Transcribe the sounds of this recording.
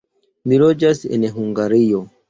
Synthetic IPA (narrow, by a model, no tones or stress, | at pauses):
milod͡ʒasḛnɦuŋɡaɾio